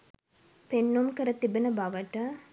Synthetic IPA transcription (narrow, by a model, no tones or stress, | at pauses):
penːumkəɾət̪ibenəbaʋəʈə